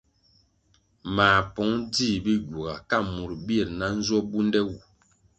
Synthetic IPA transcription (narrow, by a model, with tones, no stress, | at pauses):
maː˨pɔ˨˦ŋdi˦˨bi˦ɡu˨ɡa˨ka˦˨mu˨ɾbi˦ɛ˨ɾna˦n̩˦zɔ˦bu˦ndɛ˦wu˨